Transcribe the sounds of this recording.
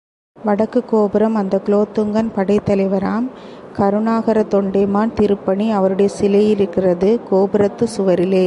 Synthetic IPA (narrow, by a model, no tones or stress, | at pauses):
ʋɐɽɐkːɯkːoːbɪɾɐmɐnd̪ɐkloːt̪ːɯŋɡɐnpɐɽɐɪt̪ːɐlɐɪʋɐɾaːm | kɐɾɯɳaːɣɐɾɐt̪ɔɳɖɐɪmaːnt̪ɪɾɯpːɐɳiɐʋɐɾɯɽɐjɐsɪlɐjɪɾɯkːɪrɐðɯkoːbɯɾɐt̪ːɯsʊʋɐɾɪleː